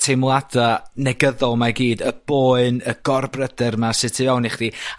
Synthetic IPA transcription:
tʰemlˠadanɛɡəðɔlˠmaɡiːdəb̥oːɨnəɡ̥ɔrbrədɛrmasɪtʰivɛwnɪχd̥i

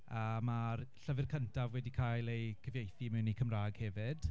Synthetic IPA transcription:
əmarɬəvɪrkʰəntʰavwɛdikʰajlˠejkʰəvjejθimɪwnikʰəmraːɡ̥hɛvɪd̥

